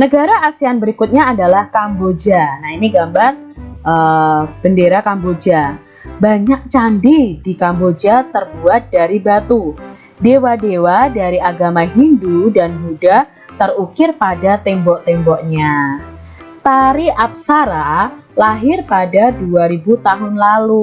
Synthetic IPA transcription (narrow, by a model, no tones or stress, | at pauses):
nəɡaɾaʔːsianbəɾikʊt̪̚ɲaːdalahkambod͡ʒanainiɡambar | ʔəb̥əndeɾakambod͡ʒa | baɲak̚t͡ʃandidikambod͡ʒat̪ərbuat̪̚daɾibat̪u | dewadewadaɾiaɡamaɦindudanɦuda | t̪ərukɪrpadat̪ɛmbɔʔt̪ɛmbɔʔɲa | t̪aɾiʔap̚saɾa | laɦɪrpadaduaɾibut̪aɦʊnlalu